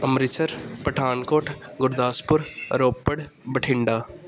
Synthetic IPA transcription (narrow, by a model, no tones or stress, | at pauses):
ɐmɾɪt͡ʃəɾpɐʈʰaːnkoːʈʰɡʊɾd̪aːspʊɾɾoːpːəɽ | bəʈʰɪ̃ɳɖaː